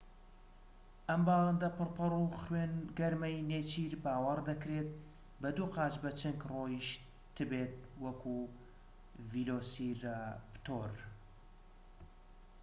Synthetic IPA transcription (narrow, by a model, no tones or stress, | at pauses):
ʔɐmbaland̪ɐpɨɾpʰɨruχweːnɡɐɾmɛjneːt͡ʃʰiɾbaːwɐɾd̪ɐkɾet̪̚ | bɐd̪uːqɑːt͡ʃbɐt͡ʃɨŋkrojiʃ | t̪ʰɨbet̪̚wɐkʰu | viloːsiɾpt̪ʰoɾ